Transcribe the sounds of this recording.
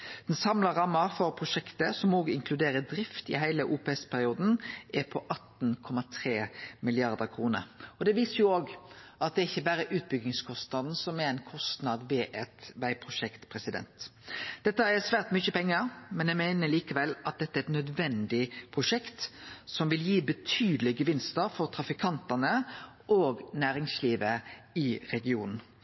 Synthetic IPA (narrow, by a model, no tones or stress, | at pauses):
d̪̥ɛnsɑmləɾɑmːəfɔɾpʰʁʊʂɛkt̪əsɔmoːɡɪŋkʰlʉd̪eːɾəd̪ɾɪft̪ɪ̰ɦæɪləʔuːpɛɛspʰæɾɪuːd̪n̩ʔɛpʰɔʔɑt̪n̩kʰɔmɑt̪ʰʁeːmɪlɪɑʁd̪əkʰʁuːnə̰ɾɔd̪ɛʋiːsəjʊoːɡɑt̪̚d̪ɛɪçːəbæːɾəʔʉːt̪̚bʏɡɪŋskʰɔst̪nɑd̪n̩sɔmɛɾɛɪnkʰɔst̪nɑd̪ʋɛʔɛt̪ʋæɪpʰɾʊʂɛkt̪pʰʁɛsɪd̪ɛ̰nt̪d̪̥ɛt̪ːəɛsʋæːʁt̪mʏçəpɛŋːəɾmɛnjæɪmæɪnəliːkəʋɛlɑt̪̚d̪ɛt̪ːæɛɛt̪nœd̪ʋɛnd̪ɪpʰʁʊʂɛkt̪sɔmʋɪljiːbət̪ʰyːd̪əlɪɡəʋɪnst̪əɾfɔʁt̪ʰɾɑfɪkʰɑnt̪ənə | ʔoːɡnæːɾɪŋsliːʋəɪɾɛɡɪuːnn̩